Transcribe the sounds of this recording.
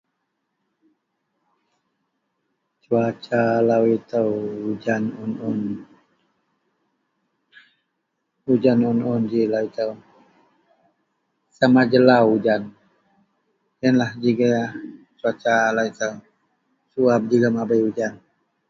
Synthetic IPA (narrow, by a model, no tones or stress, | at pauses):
t͡ʃuat͡ʃalawit̪əwud͡ʒanunʊn | ud͡ʒanunʊnd͡ʒilawit̪əw | samad͡ʒəlawud͡ʒan | jənlahd͡ʒiɡa | t͡ʃuat͡ʃalawit̪əw | suap̚d͡ʒuɡamabajud͡ʒan